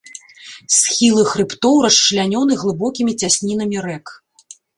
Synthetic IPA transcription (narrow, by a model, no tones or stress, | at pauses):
sxʲilˠɨxɾɨpt̪ɔwɾɐʂt͡ʂɨlʲanʲɔnɨɣlˠɨbɔkʲimʲit͡sʲasʲnʲin̪ɐmʲiɾɛk